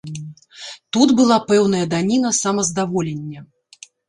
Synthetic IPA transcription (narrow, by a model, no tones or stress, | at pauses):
t̪ud̪bɨlˠapɛwn̪ɐjɐd̪anʲinɐsamɐzd̪avɔlʲenʲːɐ